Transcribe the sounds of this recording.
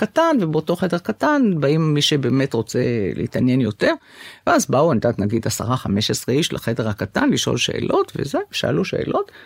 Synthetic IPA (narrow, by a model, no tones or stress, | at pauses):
katanvebeoto̞χe̞de̞ʁkatanbaimːiʃebe̞ːme̞tʁo̞t͡se̞̰lḛḭt̪anje̞njo̞te̞ʁ | veazbauand̪at̪naɡid̪asa̰ʁaχame̞ʃesʁeiʃla̰χedeʁhakatanliʃʔo̰lʃe̞̰ʔḛlʔo̞tvḛzeʃa̰a̰luʃḛːlʔo̞t